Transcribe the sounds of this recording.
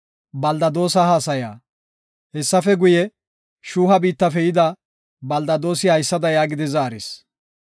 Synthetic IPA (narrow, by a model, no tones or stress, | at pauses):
bɐld̪ɐd̪o̞ːsɐhaːsɐjaː | hɛsːɐfɛɡʊjɛ | ʃuːɦɐbiːt̪ːɐfɛjɪd̪ɐ | bɐld̪ɐd̪o̞ːsɪhɐjsːɐd̪ɐjaːɡɪd̪ɪzaːɾɪs